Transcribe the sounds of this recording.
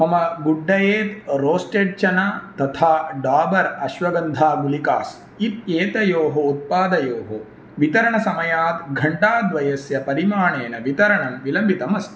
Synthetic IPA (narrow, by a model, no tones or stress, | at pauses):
ɦɐmɐɡuɖːɐjeːt̪ɾoːsʈeːʈ̚t͡ʃɐnat̪ɐt̪ʰaːɖaːbɐɾɐʃʋɐɡɐnd̪ʱaːɡulikaːs | it̪̚eːt̪ɐjoːɦɐut̪̚paːd̪ɐjoːɦo | ʋit̪ɐɾɐɳɐsɐmɐjaːt̪ɡʱɐɳɖaːd̪ʋɐjɐsjɐpɐɾimaːɳeːnɐʋit̪ɐɾɐɳɐmʋilɐmbʱit̪ɐmɐst̪